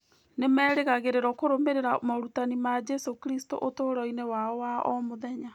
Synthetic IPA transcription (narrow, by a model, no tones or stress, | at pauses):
nemɛːɾeɣaɣeɾeɾɔkoɾomeɾeɾamaɾutanimad͡ʒɛsokɾisto̰ʔotoɾɔinewaɔwaɔmoðɛɲa